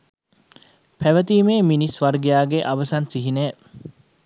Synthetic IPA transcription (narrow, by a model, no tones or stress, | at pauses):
pʰæʋət̪iːmeːminisʋɐɾɡijaːɡeʔɐʋɐsansiɦineː